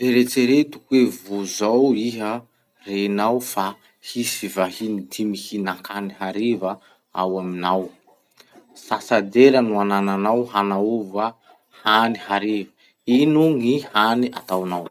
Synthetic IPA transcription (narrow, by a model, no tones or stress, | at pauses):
veɾet͡seɾet̪u̥kwevuzawiɦə | renawfa | hisivahinid̪imihinakʰaniɦaɾivə | a̰waminaw | sasad̪eɾənuanananawɦanauva | hanihaɾevə | inuŋihania̰t̪awnaw